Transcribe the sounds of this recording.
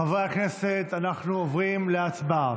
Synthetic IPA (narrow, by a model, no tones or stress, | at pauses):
avʁeaχeset̪anaχnuovʁimleat͡sba